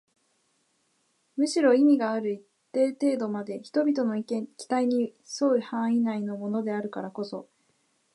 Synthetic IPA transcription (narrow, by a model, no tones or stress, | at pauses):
mɯ̟ɕiɾo̞imʲiɡaːɾɯ̟it̪ːe̞ːt̪e̞ːd̪o̞mad̪e̞çi̥t̪o̞bʲit̪o̞no̞ikẽŋkʲi̥t̪aiɲ̟iso̞ihãɰ̃inaino̞mo̞no̞d̪e̞aɾɯ̟kaɾako̞so̞